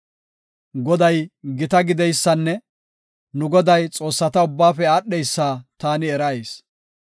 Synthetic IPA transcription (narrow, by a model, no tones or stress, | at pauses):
ɡɔd̪ɐjɡɪt̪ɐɡɪd̪ɛjsːɐnːɛ | nʊɡɔd̪ɐjt͡sʼo̞ːsːɐt̪ɐʊbːaːfɛaːɗːɛjsːaːt̪aːnɪɛɾɐeːs